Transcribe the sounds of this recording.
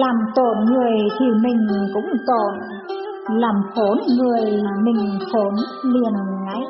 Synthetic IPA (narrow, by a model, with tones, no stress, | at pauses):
laː˨˩mt̪o˧˩nŋɨ˨˩əjt̪ʰi˨˩mï˨˩ŋ̟kʊ̰˧˥ŋ͡mt̪o˧˩˨n | laː˨˩mfo˨˦nŋɨ˨˩əjmï˨˩ŋ̟fo˨˦nli˨˩ənŋa˨˧˦j